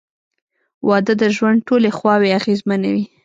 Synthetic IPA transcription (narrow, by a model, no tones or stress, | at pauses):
wɑd̪əd̪əʒwand̪̚ʈolexwɑweaɣezmanawi